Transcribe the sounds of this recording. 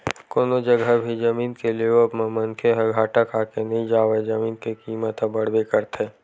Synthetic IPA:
koːnod͡ʒɐɡʱəbʱid͡ʒɐmiːnkelieʋəmẽmɐ̃nkʰeɦɐɡʱaːʈakʰaːkenɐɦĩd͡ʒaːʋed͡ʒɐmiːnkekiːmət̪ɦəbɐɽ̤bekəɾt̪ʰeː

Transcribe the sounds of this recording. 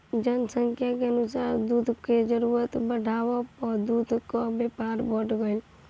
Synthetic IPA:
d͡ʒənsəŋkʰjakeənusaɾd̪ud̪ʱked͡ʒəɾuɾət̪bəɖʱaʋɔpɔd̪ud̪ʱkɔbjepaɾbəʈʰɡəɪl

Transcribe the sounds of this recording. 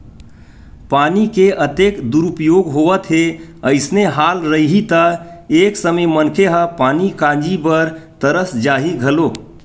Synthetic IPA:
paːnikeʔət̪ekd̪uɾupjoɡɦoʋət̪ɦeəɪsneɦalɾəiɦit̪əeksəməjmənkʰeɦə̃panikãd͡ʒibəɾt̪əɾəsd͡ʒaːɦiɡʱəlo

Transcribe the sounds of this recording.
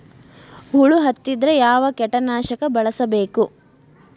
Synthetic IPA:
huɭuɦɐt̪ːid̪ɾejaːʋɐkɛʈːɐnaːʃɐkɐbɐɭɐsɐbe̞ːku

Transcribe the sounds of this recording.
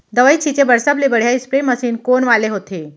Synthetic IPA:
d̪əʋəit͡ɕʰit͡ɕebəɾsablebəɽ̤jaispɾeməsiːnkonʋaleɦot̪e

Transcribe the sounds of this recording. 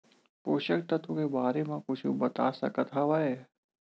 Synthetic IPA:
poːʃəkt̪ɐt̪õkebaːɾemẽkʊt͡ʃʰubɐt̪a̰ːsɐ̰kət̪ʰaʋaɛ

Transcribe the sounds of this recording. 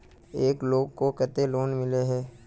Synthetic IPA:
eːkloːɡkokɛt̪eloːnmɪleɦɛː

